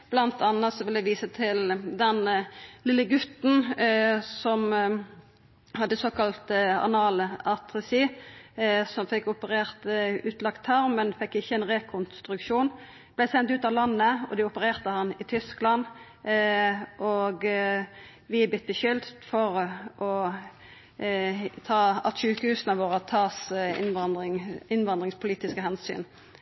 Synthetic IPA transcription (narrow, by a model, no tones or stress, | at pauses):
b̥lɑnt̪ʰɑnɑt̪sɔʋɪlæʋiːsət̪ʰɪld̪ɛnlɪlːəɡʉt̪n̩ | sɔm | hɑd̪ːəsoːkɑlt̪ɑ̰nɑːlɑt̪ʁəsiː | sɔmfɪkːʊpəʁeːʁt̪ʉːt̪lɑkt̪ʰːɑʁmɛnfɛkːɪçːəɛnʁekʰʊnst̪ʁʉkʃuːn | b̥lɛɪsɛnt̪ʉːt̪ɑʋlɑnːəɔ̰d̪ɪʊpəʁeːʁt̪əhɑnɪt̪ʰʏsklɑn | ʔoɡ | ʋɪbɪt̪ːəçʏld̪fɔʁʔɔ | t̪ʰɑːɑ̰t̪ʃʉːkəhʉːsnəʋoːʁət̪ʰɑːsʋɑɪŋɪnʋɑnd̪ʁɪŋspʰʊliːt̪ɪskəhɛnsy̰ːn